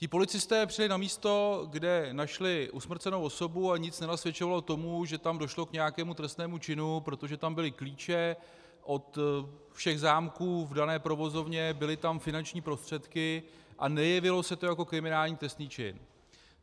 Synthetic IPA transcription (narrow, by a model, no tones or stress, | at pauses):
cɪpo̞lɪt͡sɪst̪ɛːpr̥ɪlɪnamiːst̪o̞ɡdɛnaʃlɪʔusmr̩t͡sɛnowo̞so̞buaɲɪt͡snɛnasvjɛt͡ʃovalot̪o̞muʒɛt̪amdo̞ʃlo̞kɲɛjakɛːmut̪ɾɛst̪nɛːmut͡ʃɪnupɾo̞t̪oʒɛt̪ambɪlɪkliːt͡ʃɛ | ʔo̞t̪ | fʃɛɣzaːmkuːvdanɛːpɾo̞vo̞zo̞vɲɛbɪlɪt̪amfɪnant͡ʃɲiːpɾo̞st̪r̝̥ɛt̪kɪ | ʔa̰nɛjɛvɪlo̞sɛt̪o̞jako̞kɾɪmɪnaːlɲiːt̪ɾɛst̪niːt͡ʃɪ̰n